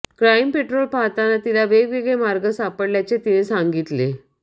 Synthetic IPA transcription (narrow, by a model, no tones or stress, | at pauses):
kɾaimpeʈɾolpat̪anat̪ilaʋeɡʋeɡɭemaɾɡəsapəɽljat͡set̪inesaŋɡit̪le